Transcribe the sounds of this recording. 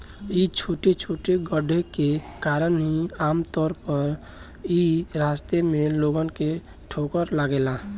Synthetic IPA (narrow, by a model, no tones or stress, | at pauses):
it͡ʃʰoːʈet͡ʃʰoːʈeɡəɖʱekekaːɾənɦiaːmt̪ɔːɾpəɾ | iɾaːst̪emẽloːɡənke | ʈʰoːkəɾlaɡeːlaː